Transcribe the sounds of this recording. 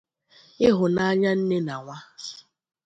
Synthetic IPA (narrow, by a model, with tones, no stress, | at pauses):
ɪ˦ɦʊ˨na˦a˦ɲa˦n̩˦ne˦na˨ŋʷa˦